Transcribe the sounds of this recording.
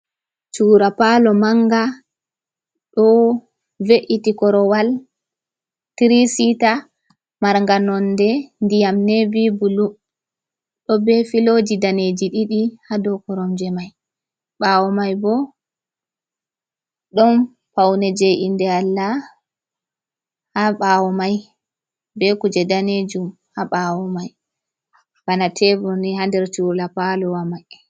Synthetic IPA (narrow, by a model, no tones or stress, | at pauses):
t͡ʃuːɾapalɔmaŋɡa | ɗɔ | veʔitikɔɾɔwal | tiɾisita | maɾŋɡanɔndɛndijamnevibulu | ɗɔbɛfilod͡ʒidaned͡ʒiɗiɗihadɔkɔɾɔmd͡ʒɛmaj | ɓaːwɔmajbɔ | ɗɔn | pawnɛd͡ʒɛjʔindɛalːa | haɓaːwɔmaj | bɛkud͡ʒɛdaned͡ʒum | haɓaːwɔmaj | w̥anatʰɛbɔnihandɛɾtulapalɔwamaj